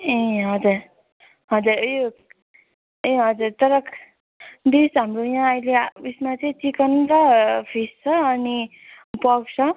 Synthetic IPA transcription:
ẽɦʌd͡zuɾ | ɦʌd͡zuɾe | ẽɦʌd͡zuɾt̪ʌɾʌk | d̪isɦamɾojãʌjlebismat͡sʌĩt͡sikʌnunt͡sʌpʰist͡sʰʌːni | pʌɡt͡sʰʌ

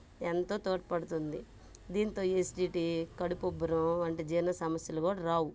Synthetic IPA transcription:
ent̪o̞ːt̪oːʈpɐɽut̪und̪i | d̪iːnt̪o̞ːesʈiːʈikɐɽupobɐɾɐɐɳʈeːd͡ʒiːnɐsɐmɐsjɐlukuːɽɐɾaːwu

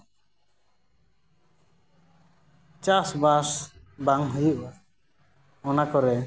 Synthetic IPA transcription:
t͡ʃasbas | baŋɦujuʔ | ɔnakɔɾɛ

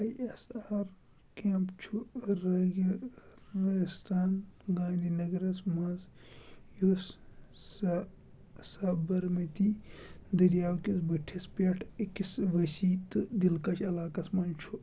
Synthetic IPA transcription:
ɐjɐsaːɾ | keːmpt͡ʃʰuɾɐɡiɾɐst̪ʰaːnɡãːnd̪inɐɡɾɐsmãːz | jossɐ | sabɐɾmɐt̪id̪ɐɾjaːwkisbiʈʰispʲeʈʰikisʋɐsit̪ɨd̪ilkɐt͡ʃʰɐlaːkɐsmɐːnt͡ʃʰu

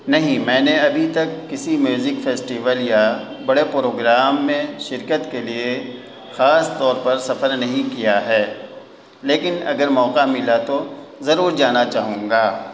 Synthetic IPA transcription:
nɐɦĩmɛ̃ːneɐbʱit̪ɐkːɪsimjuːzɪkfeːsʈiːʋəlja | bɐɽepɾoːɡɾaːmːẽʃɪɾkət̪kelie | xaːst̪ɔːɾpɐɾsɐfəɾnɐɦĩkijaɦɛː | leːkɪnɐ̰ɡəɾmɔːqamɪlat̪ozɐɾuːɾd͡ʒaːnat͡ʃaːɦũːɡaː

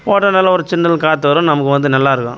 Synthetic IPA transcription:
poːʈːɐnɐlːɐɔɾɯt͡ʃɪnːɐlkaːt̪ːɯʋɐɾʊ̃mnɐmɐkːɯʋɐnd̪ɯnɐlːaːɪɾɯkːõ̰ː

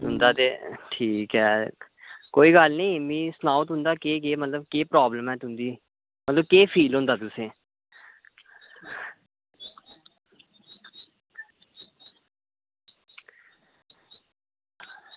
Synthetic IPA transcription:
ʊnd̪aːt̪eːʈʰiːkɦɛː | koːiːɡəlnĩːmĩːsnaːʊət̪ɦʊ̃nd̪aːkeːɡeːmət̪ləbkeːpɾɔːbləmɛːt̪ʊnd̪iː | mət̪ləb̚keːpʰiːlɦʊ̃nd̪aːt̪ʊsẽː

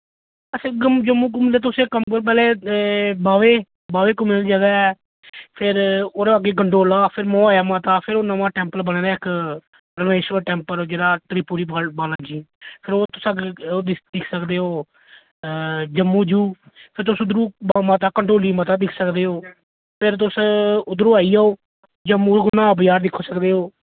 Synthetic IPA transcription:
ət͡ʃʰẽːɡmd͡ʒəmːũːk̬ʊmleːt̪̬ʊsẽːkəmkəɾp̬ɛːleːbaːʋeː | baːʋeːkʊmeɾid͡ʒəɡaːɛː | pʰɪɾoːɾeaːɡeːkəɳʈɾoːlaːpʰɪɾmõːaːjaːmaːt̪aːpʰɪɾoːnəʋãːʈɛːmpəlbəɽ̃eːɾaːɪk | pɾəʋeːʃəʈɛ̃ːmpəɾd͡ʒeːɽaːʈɾiːpuːɾiːbbaːlãːd͡ʒiːpʰɪɾoːt̪ʊsaɡed̪d̪ɪkʰsəkd̪eːɦoː | d͡ʒəmːũːd͡ʒuː | pʰɪɾt̪̬ʊsʊd̪ɾuːmːt̪̬aːkəɳʈɾoːliːmət̪̬aːd̪ɪkʰsəkd̪eːɦoː | pʰɪɾt̪̬ʊsʊd̪ɾuːaːiːaːoː | d͡ʒəmːũːkːnãːbəjaːɾd̪ɪkʰːoːsəkd̪eːɦoː

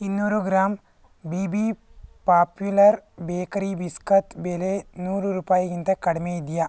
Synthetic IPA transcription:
inːuːɾuɡɾaːm | bibi | paːpjulɐrbeːkɐɾibiskɐt̪belenuːruɾuːpaːjikint̪ekɐɽɐmeid̪ija

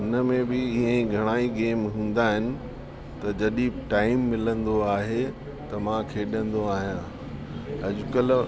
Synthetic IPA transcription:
ɪnəmẽbɪɪɦẽɡʱɐɽ̃aːiɡeːmɦũːn̆d̪aɦɪnɪ̆ | t̪ɐd͡ʑɐɗĩʈaːɪmːɪlə̃nd̪oaːɦe | t̪ɐmãkʰeːɗə̃nd̪oaːɦijãː | ɐʄʊkəl

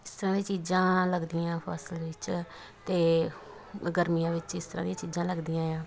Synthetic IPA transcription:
ɪst̪əɾãːd̪ĩːt͡ʃiːzãːləɡd̪iːãːpʰa̰ːsəlʋɪt͡ʃ | t̪eː | ɡəɾmijãːʋɪt͡ʃɪst̪əɾãːd̪ĩːt͡ʃiːzãːləɡd̪ijãːjãː

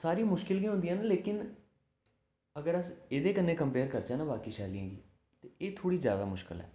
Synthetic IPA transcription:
saːɾiːmʊʃkɪlɡĩːɦʊ̃nd̪ijãːnaːleːkɪn | əɡəɾəseːd̪eːkənːeːkəmpeːɾkəɾt͡ʃãːnãːbaːkiːʃɛːlijãːɡḭː | t̪eeːt̪ʰoːɽiːzja̰ːd̪a̰ːmʊʃkɪ̰lɦɛ̰ː

